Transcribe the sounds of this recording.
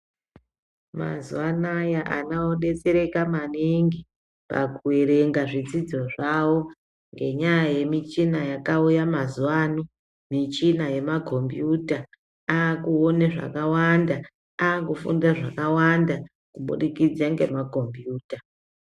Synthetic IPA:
ma̰zuwanajaʔa̰nawoɗe̞t͡seɾe̞kamaniŋɡi | pa̰kuweɾe̞ŋɡaʐid͡zid͡zo̞ʐawo̞ | ŋɡe̞̰ɲajaje̞mit͡ʃinajakaujamazuwaːno | mit͡ʃinaje̞makʰo̞mbjuta | aːkuoneʐa̰kawanda | aːkufṵndaʐakawanda | kuɓṵɗikid͡zaŋɡe̞̰mako̞mbjuːta

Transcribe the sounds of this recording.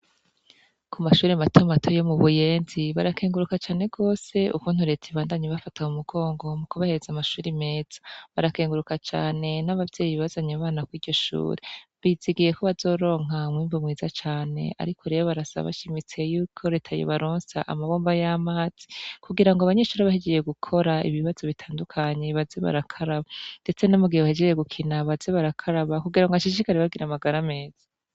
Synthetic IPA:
kʰumaʃuːɾematʰomatʰo̞jo̞muβujeːnziβaɾakeːŋɡuɾukat͡ʃaːne̞ɡo̞ːse̞ʔukuːn̥huɾe̞ːtʰaiβaːndaɲeβafataumuɡ̥o̞ːŋɡo̞mukuβahe̞ɾezamaʃuːɾime̞ːz̥ḁβaɾakeːŋɡuɾukat͡ʃa̰ːne̞naβavɟe̞ːjiβazaɲaβaːnakwiːɾɟo̞ʃṵːɾeβiziɡije̞koβazo̞ːɾo̞ːŋ̥amwiːmbumŋiːza̰t͡ʃaːne̞̰ʔa̰ɾikʰo̞ɾe̞βoβaɾasa̰βa̰ʃimit͡se̞juːkʰo̞ɾe̞ːtʰajo̰βaɾoːnsaʔa̰maβo̞ːmbajamaːz̥i̥kuɡiɾaŋɡoaβaɲe̞ʃuːɾeβahed͡ʒejeɡukʰo̞ɾaiβiβaz̥o̞βitʰaːndukʰaɲe̞βazeβa̰ɾakʰaɾaβand̥e̞t͡senomuɡihewahed͡ʒejeɡukʰinaβazeβaɾakʰaɾaβakuɡiɾaŋɡaʃiʃikaɾeβaɡiɾamaɡaɾame̞ːz̥a

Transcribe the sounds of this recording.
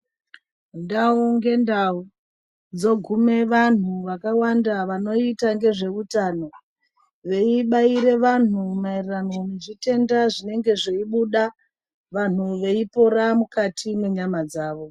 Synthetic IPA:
ndauŋɡe̞ndau | nd͡zo̞ɡʱume̞ʋan̤uʋakawandaʋano̞itaŋɡe̞ʐe̞ʋutaːno̞ | ʋe̞iɓaiɾe̞ʋan̤umairranomuʐite̞ndaʐine̞ŋɡe̞ʐeiɓuɗa | ʋan̤uʋe̞ipo̞ɾamukatʰimweɲamad͡zaːʋo̞

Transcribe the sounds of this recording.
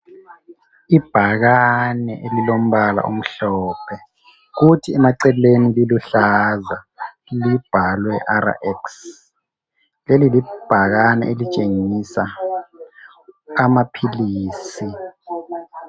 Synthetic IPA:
ib̥ʱak̬anɛʔelilom̩ɓala̰ʔum̩ɬɔːpʰɛ | k̬utʰiɛmaǀɛlenililuɬaza | lib̥ʱalwɛʔaɾa̰ʔɛks | lelilib̥ʱak̬anɛ̰ʔelit͡ʃʼeŋisa | mapʰiliːsi

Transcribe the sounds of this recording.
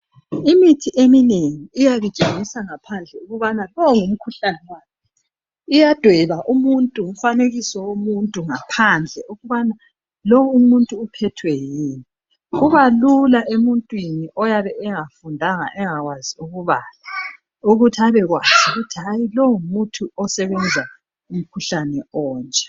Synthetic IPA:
imitʰiʔemineŋiːjaɣu̥t͡ʃʼeŋisaŋapʰand͡ɮʱɛuɣuβanalɔŋum̩kʰuɬanɛwaːkɛ | ijad̥ʱwɛβaʔumuntʼum̩faneɣisɔwumuntʼuŋapʰand͡ɮʱɛʔuɣuβana | lowumuntʼuːpʰɛtʰwɛjiːni | uβalulaʔemuntʼwiniʔɔjaβɛɛŋafundʱaŋa̰ʔɛŋaɣwaziuɣuβala | uɣutʰiaβɛɣwaz̥uɣutʰiɦajilɔŋumutʰuɔsɛβɛnd͡zʱa | um̩kʰuɬanɛɔːnt͡ʃʼɛ̥

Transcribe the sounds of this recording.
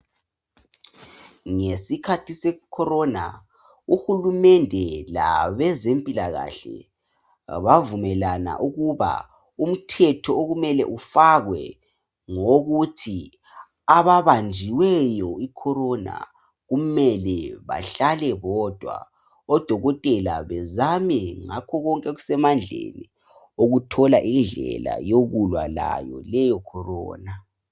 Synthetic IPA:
ŋesikʰatʰisɛkʰɔɾɔna̰ | uxulumɛndʱɛla̰βɛzempʼilaɣa̰ɬɛ̰ | βavumɛlana̰ʔuɣuβa̰ | um̩tʰɛtʰɔoɣumɛlɛ̰ʔufaɣwɛ̰ | ŋoɣutʰi | aβaβand͡ʒʱiwɛjɔikʰɔɾɔna̰ | ɣumɛlɛβa̰ɬalɛɣɔd̥ʱwa̰ | ɔd̥ʱɔɣɔtʼɛlaβɛzamɛŋakʰɔɣɔŋkʼɛɣusɛmand͡ɮʱḛni | oɣutʰɔlaʔind͡ɮʱɛla̰joɣulwala̰jɔ̰lɛjɔkʰɔrɔ̰ːna

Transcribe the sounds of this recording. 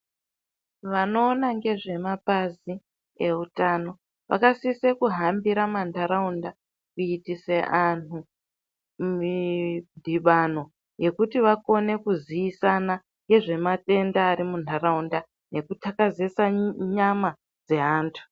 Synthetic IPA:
ʋano̞ːnaŋɡe̞ʐe̞mapazi | e̞utaːno̞ | ʋa̰kasisekuɦambiɾamantaɾaunda | kuitise̞ʔanu | mindʱiɓano̞ | je̞kutiʋako̞ne̞kuziisana | ŋɡe̞ʐe̞mate̞ndaːɾimun̤tʰaɾaunda | ne̞kutʰakazesaɲama | d͡ze̞ɦaːntʰu̥

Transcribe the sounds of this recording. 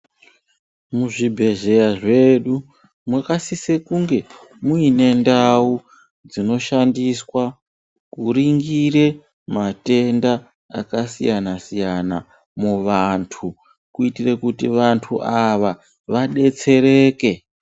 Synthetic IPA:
muʐibʱe̞ʒe̞jaʐe̞ɗu | mwakasisekuŋɡe̞ | muine̞ndau | d͡zino̞ʃandiswa | kuɾiŋɡiɾe̞ | mate̞nda̰ː | kasijanasijana̰ | muʋantʰu | kuitire̞kutiʋantʰuʔaʋa | ʋaɗe̞t͡se̞ɾe̞ːke̞

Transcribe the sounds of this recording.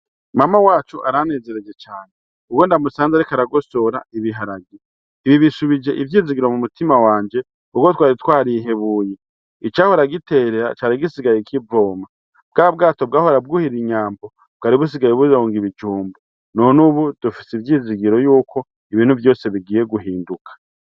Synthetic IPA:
mamawaːt͡ʃuʔaɾane̞ːze̞ɾe̞d͡ʒe̞t͡ʃaːne | uwondamusaːnzaɾikaɾaɡo̞so̞ɾaiβiɦaɾaɡjiː | βiβisuβid͡ʒe̞ʔivjiːziɡiɾo̞mumutimawaːɲd͡ʒe̞ | uko̞twaːɾitwaːɾiɦe̞βuːje | it͡ʃaho̞ɾaɡite̞ɾeɾa̰t͡ʃaːɾiɡisiɡajekʰivo̞ːma | bɡaːb̚ɡaːto̞bɡaːhoɾab̚ɡuhiɾiɲaːmbo̞ | b̥̚ɡaːɾiβus̬iɡajeβuzoːŋɡiβid͡ʒuːmbo | nonuβud̥ufi̥sivjiːziɡiɾo̞juːkʰo̞ | iβiːn̥huvjo̞ːse̞βiɡiːje̞ɡuɦiːndukʰḁ

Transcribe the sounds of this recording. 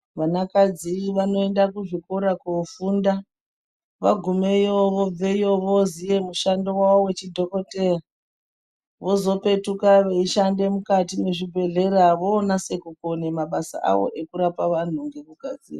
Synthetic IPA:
ʋanakad͡ziʋano̞e̞ndakuʐikoɾakofunda | ʋa̰ɡʱume̞joʋob͡ve̞joʋozije̞muʃando̞wawowe̞t͡ʃidʱo̞ko̞tera | ʋo̞zo̞pe̞tukaʋeiʃande̞mukatine̞ʐibʱe̞ɮe̞ɾaʋo̞ːnase̞kukonemaɓasa̰ʔa̰ʋo̞̰ʔe̞kuɾapaʋan̤uŋɡe̞kuɡʱad͡zḭːra

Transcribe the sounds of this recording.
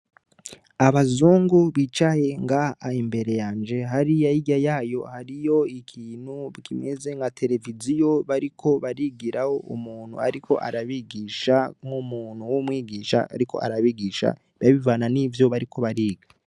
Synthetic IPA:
aβazuːŋɡuβit͡ʃaje̞ŋɡaːimbe̞ɾe̞jaːnd͡ʒe̞ɦaɾijajiɡajaːjo̞haɾijo̞ikʰiːnhukimeze̞ŋɡatʰe̞ɾe̞vizijo̞βaɾikʰo̞βaɾiɡiɾaho̞ʔṵmuːn̥hṵaɾikʰo̞̰ʔa̰ɾaβiɡiʃaŋumuːnhuwumŋiːɡiːʃa̰a̰ɾiko̞̰ʔa̰ɾaβiɡiːʃa̰ | βjaβivaːnanivjo̞βaɾikʰo̞βaɾiːɡa

